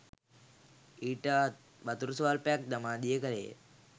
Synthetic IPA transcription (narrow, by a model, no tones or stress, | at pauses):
iːʈə | ʋat̪uɾusʋaːlpəjak̚d̪amaːd̪ijəkəlejə̰